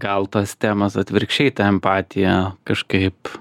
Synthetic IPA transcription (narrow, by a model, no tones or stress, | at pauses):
ɡɐlˠt̪ɐːst̪ʲæːmɐsɐt̪ʲʋʲɪɾkʃʲɛɪt̪ɑɛmpɑːt̪ʲɪjɛkɐʃkɐɪp